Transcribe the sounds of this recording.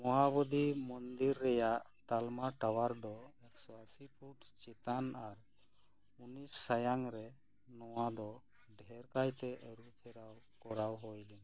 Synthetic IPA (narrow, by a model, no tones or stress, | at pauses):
mɔɦabɔd̪imɔnd̪iɾːɛjaʔt̪almaʈawaɾd̪ɔɛksɔasipʰuʈt͡ʃit̪anaɾ | unisːajaŋɾɛ | nɔwad̪ɔ | ɖʱɛɾkajt̪ɛʔəɾupʰɛɾaw | kɔɾawɦɔjlin